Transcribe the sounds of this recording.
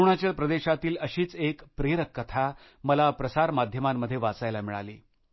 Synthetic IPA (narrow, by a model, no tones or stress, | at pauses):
ɳ̃at͡ɕjaɾpɾəd̪eɕat̪iːləɕiːt͡sekpɾeɾəkːət̪ʰa | məlapɾəsaɾmad̪ʱjəmamːəd̪ʱːjeʋat͡sajlamiɭa̰liː